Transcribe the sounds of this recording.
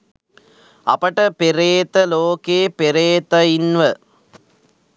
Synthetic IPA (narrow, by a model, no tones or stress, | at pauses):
ɐ̰pɐʈɐpeɾeːt̪ɐloːkeːpeɾeːt̪ɐinʋɐ